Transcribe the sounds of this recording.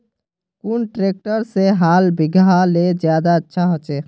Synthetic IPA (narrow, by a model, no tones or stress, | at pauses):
kunʈɾek̚ʈəɾseɦalbiɡʱaled͡ʒjad̪aətːʃʰaɦot͡ʃɛ